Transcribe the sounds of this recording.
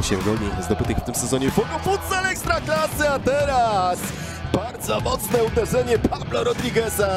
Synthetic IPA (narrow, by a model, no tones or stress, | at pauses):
ɕɛvɡɔlɲejzd̪ɔpɘt̪ɘkft̪ɘmsɛzɔɲɛvɔɡɔfut̪salɛkst̪ɾaklasɨat̪ɛɾas | baɾd̪zɔmɔt̪snɛud̪ɛʐɛɲɛpʰablɔɾɔd̪ɾʲiɡɛsa